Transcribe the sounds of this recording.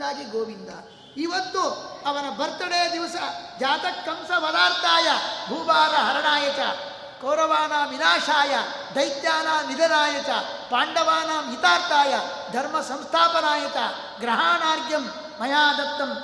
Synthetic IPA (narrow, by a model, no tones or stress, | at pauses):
aːd͡ʒiɡoːʋind̪ɐ̰ː | iʋɐnd̪uɐʋɐnɐbɐɾt̪ɐɳejɐd̪iʋɐsɐd͡ʒaːt̪ɐkːɐmsɐʋɐd̪aːɾt̪aːjɐbʱuːbaːɾɐɦɐɾɐɳaːjɐt͡ʃɐ̰ | kɐwɾɐʋaːnaːʋinaːʂaːjɐ | d̪ɐjt̪jaːnaːnid̪ɐnaːjɐt͡ʃɐpaːɳɖɐʋaːnaːmjit̪aːɾt̪aːjɐd̪ʱɐɾmɐsɐ̃mst̪ʰaːpɐnaːjɐt͡ʃɐ | ɡɾɐɦaːnaːɾɡjɐmː | ɐjaːd̪ɐt̪ːɐm